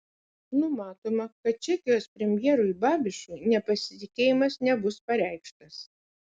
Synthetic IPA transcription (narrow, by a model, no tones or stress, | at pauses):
nʊmɑːt̪oːmɐkɐt̪̚t͡ʃʲɛkʲɪjospʲɾʲɛmʲjɛːɾʊɪbɑːbʲɪʃʲʊɪnʲɛpɐsʲɪt̪ʲɪkʲeːjɪmɐsnʲɛbʊspɐɾʲæˑɪkʃt̪ɐs